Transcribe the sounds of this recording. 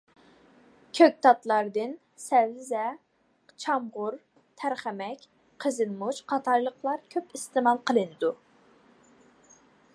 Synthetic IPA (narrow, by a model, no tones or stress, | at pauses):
kʲʰøk̚ʲt̪ʰɑt̪lˠɑɾd̪ɨn | sɛvzɛ | t͡ʃʰɑmʁʊɾ | t̪ʰæɾχæmɛkʲ | qʰəzɨnmut͡ʃqʰɑt̪ʰɑɾlˠəqlˠɑɾkʲʰøpɪst̪ɨmɑlˠqʰəlˠɨnɨd̪u